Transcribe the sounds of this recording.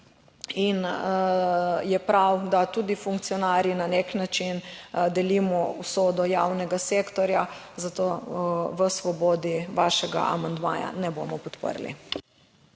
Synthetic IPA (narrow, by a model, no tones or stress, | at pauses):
in | jɛpɾawd̪at̪ud̪ifuŋkt̪siɔnaːɾjinaneknat͡ʃind̪ɛlimɔusoːd̪ɔjawnɛɡaseːkt̪ɔɾja | zat̪oʋəsʋɔboːd̪iʋaːʃɛɡa̰ʔa̰mand̪ma̰ːja̰nɛbo̰mɔpɔt̪pə̰ɾlḭ